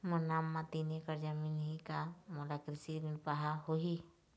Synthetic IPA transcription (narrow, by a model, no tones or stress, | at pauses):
mənaːmːãt̪inekəɾd͡ʒəminɦikamolakɾɪsiɾinpaɦaɦoi